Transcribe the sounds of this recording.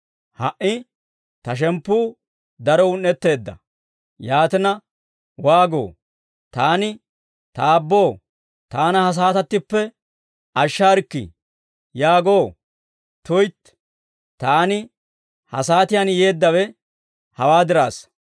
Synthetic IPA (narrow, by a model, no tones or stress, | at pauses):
hɐʔɪ | t̪ɐʃ̬ɛmpːuː | d̪ɐɾɔʊnːɛt̪ːe̞ːd̪ːɐ̰ | jaːt̪ɪnɐ | waːɡo̰ː | t̪aːnɪ | t̪aːbːo̞ː | t̪aːnɐhɐs̬aːt̪ɐt̪ːɪpːɛ | ʔɐʃːaːɾkːɪ̰ | jaːɡo̞ː | t̪ʊjt̪ | t̪aːnɪ | hɐ̰saːt̪ɪjanje̞ːd̪ːɐwɛ | hɐwaːd̪ɪɾaːs